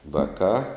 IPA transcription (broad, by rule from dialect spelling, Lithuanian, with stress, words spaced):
ˈʋɑːkɑː